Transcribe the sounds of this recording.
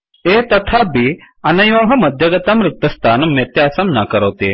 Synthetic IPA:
et̪ɐt̪ʰabʱi | ɐnɐjʋɐɦɐmɐd̪ʱjəɡɐt̪amɾuk̚t̪əst̪ʰanmet̪jaːsɐmnakəɾəwt̪e

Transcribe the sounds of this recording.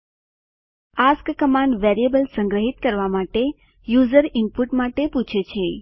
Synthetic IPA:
askkəmãɳɖʋeɾijebəlsə̃ŋɡɾəɦit̪kəɾʋamaʈe | juzəɾɪmpuʈmaʈeput͡ʃʰet͡ʃʰe

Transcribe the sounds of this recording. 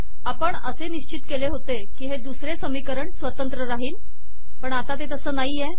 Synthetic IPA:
apəɳəseniɕt͡ɕit̪keleɦot̪e | kiːɦed̪usɾesəmikəɾəɳsʋət̪ənt̪ɾəɾaɦiːn | pəɳat̪at̪et̪əsəːnaɦijɛ

